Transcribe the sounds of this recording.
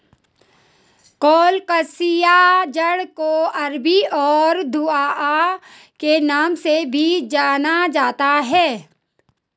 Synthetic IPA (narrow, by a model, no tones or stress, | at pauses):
kɔːlkəsijad͡ʒəɽkoɐɾbiɔːɾd̪ʱuaːa | kenaːmsebʱid͡ʒaːnad͡ʒaːt̪aɦɛː